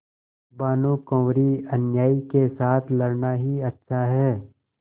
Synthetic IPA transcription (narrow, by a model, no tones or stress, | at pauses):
baːnũkɔ̃ːʋɾiɐnjaːikesaːt̪ʰlɐɾnaɦiɐtːʃʰaɦɛː